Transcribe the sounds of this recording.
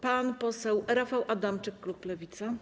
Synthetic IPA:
panpɔsɛwɾafawʔad̪amt͡ʂɘkːluk̚plɛvʲit̪sa

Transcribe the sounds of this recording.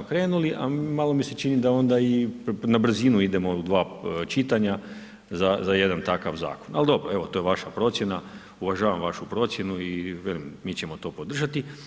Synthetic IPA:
kɾe̞ːnuliʔa̰malˠo̞mise̞t͡ʃinid̪ao̞nd̪ainabr̩zinuid̪e̞mo̞d̪ʋaːt͡ʃit̪aɲa | zazaje̞d̪ant̪akaʋza̰ːkona̰ld̪o̞bɾoe̞ʋot̪o̞ːjeʋaʃapɾo̞t̪sje̞na | uʋaʒaːʋamʋaʃupɾo̞t̪sʲje̞nuiʋjelimmiːt͡ɕemo̞t̪o̞ːpo̞d̪r̩ʒat̪i

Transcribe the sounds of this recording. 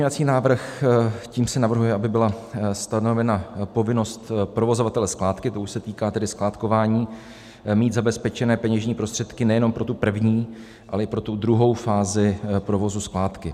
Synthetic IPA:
pozɲɛvat͡siːnaːvr̩xciːmsɛnavr̩ɦujɛʔabɪbɪlast̪ano̞vɛnapo̞vɪno̞st̪pɾo̞vo̞zovat̪ɛlɛsklaːt̪kɪt̪o̞uʃsɛt̪iːkaːt̪ɛdɪsklaːt̪ko̞vaːɲiː | miːd̪zabɛspɛt͡ʃɛnɛːpɛɲɛʒɲiːpɾost̪r̥ɛt̪kɪnɛjɛno̞mpɾo̞t̪upr̩vɲiː | ʔalɛɪpɾo̞t̪ud̪ɾuɦo̞wfaːzɪpɾo̞vo̞zusklaːt̪kɪ

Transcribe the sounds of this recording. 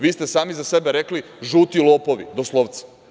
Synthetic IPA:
ʋiːst̪esaːmizasebeɾe̞kli | ʒuːt̪ilˠopoʋḭd̪oslˠoʋt̪sḁ

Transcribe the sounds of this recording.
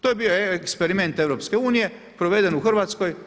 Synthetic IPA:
t̪ojebioekspeɾime̞nt̪eʋɾo̞pskeuːnije̞ | pɾoʋed̪e̞nuxr̩ʋaːt̪sko̞j

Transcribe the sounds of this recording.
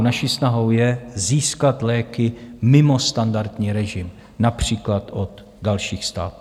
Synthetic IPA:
naʃiːsnaɦo̞wjɛziːskat̪lɛːkɪmɪmo̞st̪andaɾt̪ɲiːɾɛʒɪm | napr̝̥iːklat̪ʔod̪ | dalʃiːxst̪a̰ːt̪u

